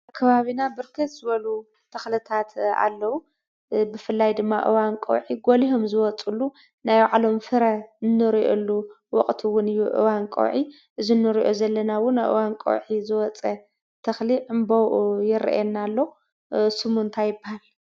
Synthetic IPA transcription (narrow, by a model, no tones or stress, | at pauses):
kʰɐβaβinabɨɾkʰɨt̪z̥ɨβɐlu | t̪ʰɐxlɨt̪ʰat̪a̰lːɐwu | bɨfɨlːajd̪ɨmːaʔɨ̰wankʼo̰wʕiɡoliɦomzɨwɔt͡sʼulːu | najwʕalo̞mfɨɾɐnːɨɾiʔo̰lːu | wɔχʼt̪ʰiwʊnɨjːuʔɨ̰wankʼo̰wʕi | ʔɨzinːɨɾiʔozɐlːɐnawʊnajʔɨ̰wankʼo̰wʕizɨwɔt͡sʼɐ | t̪ʰɐxliʕɨmbojɪɾḭʔɛnːalːo̞ | sɨmunt̪ʰajɪbːahali